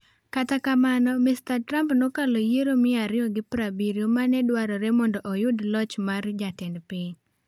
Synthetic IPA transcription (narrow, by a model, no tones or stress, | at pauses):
katakamanɔmɪstatɾampnokalojeɾomɪaɾɪɔɡɪpɾabiɾiomanɛdwaɾɔɾɛmɔndɔʔɔjʊdlɔt͡ʃmard͡ʒatɪndpɪɲ